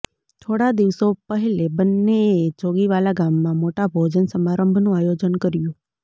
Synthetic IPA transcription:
t̪ʰoɽad̪iʋsopəɦilebənːet͡ʃoɡiʋalaɡamːãmoʈabʱod͡ʒənsəmaɾəmbʱnũajod͡ʒənkəɾjũ

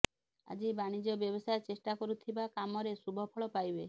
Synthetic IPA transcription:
a̰d͡ʒibaɽ̃id͡ʒɔbjɔbosaet͡ʃesʈakɔɾut̪ʰibakamɔɾesubʱɔpʰɔɭɔpajbe

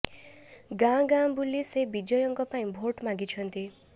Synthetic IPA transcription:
ɡãɡãbulisebid͡ʒɔjɔŋkɔpaĩbʱoʈmãŋɡit͡ʃʰʌnt̪i

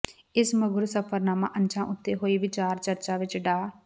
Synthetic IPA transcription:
ɪsməɡʊɾsəpʰəɾnaːmã̰ːʔənt͡ʃãːʔʊt̪ːeɦoːiːʋɪt͡ʃaːɾt͡ʃəɾt͡ʃaːʋɪt͡ʃɖaː

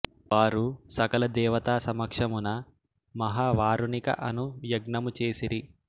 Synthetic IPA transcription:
ʋaːɾusɐkɐlɐd̪ɛːʋɐt̪aːsɐmɐkʂɐmunɐ | mɐɦaːʋaːɾunikɐ̰ʔɐnujɐɡnɐmut͡ʃe̞ːsiɾi

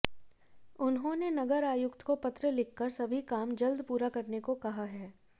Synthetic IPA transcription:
ʊnɦõnenɐɡəɾaːjʊkt̪kopɐt̪ɾəlɪkʰːəɾsɐbʱikaːmd͡ʒɐld̪puːɾakɐɾnekokɐɦaɦɛː

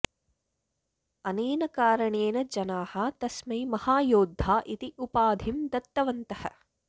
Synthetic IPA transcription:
ɐneːnɐkaːɾɐɳeːnɐd͡ʒɐnaːhɐt̪ɐsmɐjmɐhaːjoːd̪ʱːaːʔit̪iʔupaːd̪ʱimd̪ɐt̪ːɐʋɐnt̪ɐhɐ̰̆

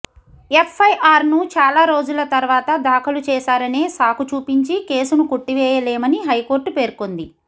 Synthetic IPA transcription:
e̞pʰːɐjʔaːɾnut͡ʃaːlaːɾo̞ːd͡ʒulɐt̪ɐɾʋaːt̪ɐd̪aːkʰɐlut͡ʃɛːsaːɾɐneːsaːkut͡ʃuːpiɲt͡ʃike̞ːsunukoʈːiʋɛːjɐlɛːmɐniɦɐjko̞ːɾʈpe̞ːɾkond̪i

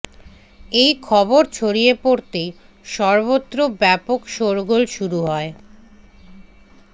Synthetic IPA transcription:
ejkʰɔboɾt͡ɕʰoɾiepoɾt̪ej | ʃɔɾbot̪ːɾobɛpokʃoɾɡolʃuɾuɦɔe

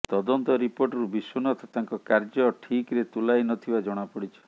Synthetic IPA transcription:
t̪ɔd̪ɔnt̪ɔɾipoʈɔɾubisunɔt̪ɔt̪aŋkɔkaɾd͡ʒɔʈʰikɾet̪ulajnɔt̪ʰibad͡ʒɔɽ̃apɔɽit͡ʃʰɔ̥

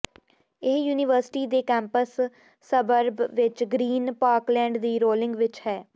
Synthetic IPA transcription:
ɪɦjuːnɪʋəɾsɪ̥ʈiːd̪eːkɛ̃ːmpəsː | əbəɾbʋɪt͡ʃɡɾiːnpaːɾklɛ̃ːɳɖd̪iːɾoːlɪ̃ŋɡʋɪt͡ʃhɛː

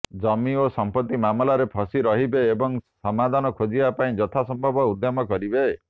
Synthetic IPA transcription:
d͡ʒɔmiosɔmpɔt̪ːimamɔlaɾepʰɔsiɾɔɦibeːbɔŋsɔmad̪ʱanɔkʰod͡ʒibapaĩd͡ʒɔt̪ʰasɔmbʱɔbɔud̪ʱːamɔkɔɾibe

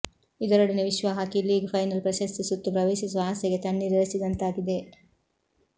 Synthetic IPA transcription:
id̪ɐɾɐɽineʋiʃʋɐɦaːkiliːɡpʰɐjnɐlpɾɐʃɐst̪isut̪ːupɾɐʋeːʃisuʋaːsɐɡet̪ɐɳːiɾiɾɐsid̪ɐnt̪aːɡid̪e̞

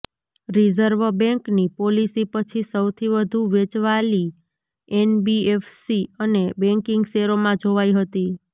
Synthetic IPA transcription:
ɾizəɾʋəbɛ̃ŋknipolisipət͡ʃʰisəwt̪ʰiʋəd̪ʱuʋet͡ʃʋali | enbiefsiənebɛ̃ŋkɪŋɡseɾomãd͡ʒʱoʋaiɦət̪i

